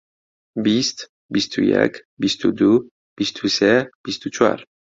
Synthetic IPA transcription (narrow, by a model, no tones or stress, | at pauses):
bist̪ | bist̪ʰujɛ̰k | bist̪ud̪u | b̥ist̪ʰusɛb̥ist̪ut͡ʃwa̰ɾ